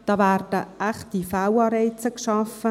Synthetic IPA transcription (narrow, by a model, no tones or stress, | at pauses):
d̥ɑːvæːrd̥əʔæχtifawɑːɾɛɪt͡səkʃɑfə